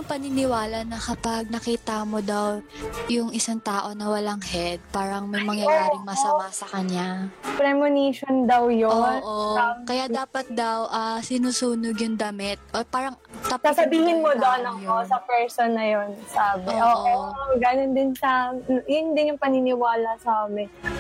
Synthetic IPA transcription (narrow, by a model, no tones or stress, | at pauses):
ʊŋpɐnɪnɪwaːlɐnɐkɐpɐɡ̚nɐkiːt̪ɐmod̪ɐwjʊŋɪsaŋt̪aːʔo̞nɐwɐlaŋhɛd̪̚paːɾɐŋmɐjmɐŋjɐjaːɾɪŋmɐsɐmasɐkɐɲapɾɛmoniʃond̪ɐwjoonʔoɐkɐjaːʔd̪aːpɐt̪̚d̪ɐwʔɐsɪnuːsuːnoɡjʊŋd̪ɐmɪt̪̚ʔopaːɾɐŋ | t̪ɐpsasɐbiːhɪnmod̪onɐjosɐpɛɹsonːɐjonsaːbɪoʔoːʔɡɐnond̪ɪnʃɐjʊnd̪ɪnjʊŋpɐnɪnɪwaːlɐsaamɪ